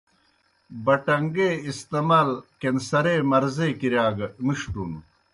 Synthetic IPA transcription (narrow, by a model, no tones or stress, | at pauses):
bɐʈɐŋɡeːist̪emaːlkensɐɾemɐɾzeːkiɾjaːɡɐmiʂʈṵːnṵ